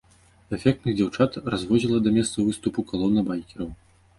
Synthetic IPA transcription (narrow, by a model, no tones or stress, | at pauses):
ɛfʲɛk̚t̪nɨd͡zʲawt͡ʂat̪razvɔd͡zʲilˠɐd̪ɐmʲɛst̪sɐvɨst̪upukalˠɔnːɐbajkʲɛɾɐw